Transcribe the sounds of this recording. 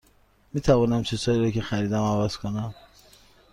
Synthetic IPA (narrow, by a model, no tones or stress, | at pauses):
miːt̪ʰævɒːnæmt͡ʃʰizhɒːiːɾɒcexæɾiːd̪æmævæz̥kʰonæm